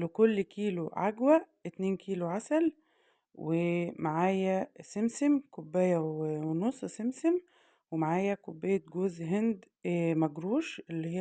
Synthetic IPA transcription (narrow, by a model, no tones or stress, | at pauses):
lukolːkiːluʕaɡwæʔet̪neːnkiːluʕasæl | wemaʕaːjæsemsemkobːæːjæwenosˤːsemsem | wemaʕaːjækobːeːjːet̪̚ɡoːzɦend̪ | mæɡɾuːʃʔelːihi